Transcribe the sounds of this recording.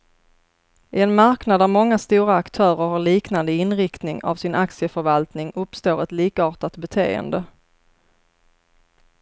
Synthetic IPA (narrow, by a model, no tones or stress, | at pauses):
ɪɛnmaɾknad̪æɾmɔŋːast̪uːɾaːkt̪ʰœːɾəɾhaɭiːknand̪əɪnɾɪkt̪nɪŋa̰vsɪnʔaksɪəfœɾvalt̪nɪŋɵpst̪oːɾɛt̪liːkaɑːʈat̪bɛt̪ʰḛːə̰nd̪ə